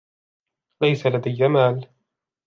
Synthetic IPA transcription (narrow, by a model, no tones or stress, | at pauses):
lajsalad̪ajːamaːl